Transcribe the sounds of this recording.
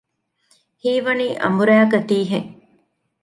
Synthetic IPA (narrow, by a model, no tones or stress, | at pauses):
hiːʋɐniːʔɐ̰mbuɾæːkɐt̪iːɦeŋ